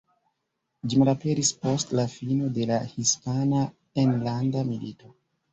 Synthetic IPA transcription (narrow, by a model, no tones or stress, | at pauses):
d͡ʒimaɾape̞ɾispo̞stlafino̞de̞lahispana | enlandamilito̞